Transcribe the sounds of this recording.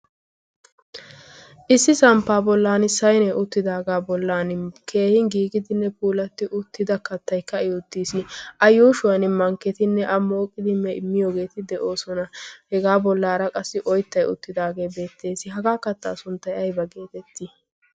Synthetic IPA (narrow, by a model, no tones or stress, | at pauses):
ʔɪsːɪsɐmpːaːbɔlːaːnɪsɐjnɛʔʊt̪ːɪd̪aːɡaːbɔlːaːnɪkʰe̞ːhɪŋɡiːɡɪd̪ɪnːɛpuːlɐt̪ːɪʔʊt̪ːɪd̪ɐkɐt̪ːɐjkːɐɪjʊt̪ːiːsɪɐjuːʃʊwɐnɪmɐŋkːɛt̪ɪnːɛʔɐmo̞ːkʼːɪd̪ɪmːɛɪmːɪjoːɡe̞ːt̪ɪd̪ɛʔo̞ːsɔnɐhɛɡaːbɔlːaːɾɐkʼɐsːɪʔɔjt̪ːɐjʊ̰t̪ːɪd̪aːɡe̞ːbe̞ːt̪ːe̞ːsɪɦɐɡaːkɐt̪ːa̰ːsʊnt̪ːɐjɐjbɐɡeːt̪ɛt̪ːɪ